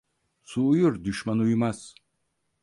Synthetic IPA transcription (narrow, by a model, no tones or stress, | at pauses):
sʰuːjuɾd̪yʃmanujmas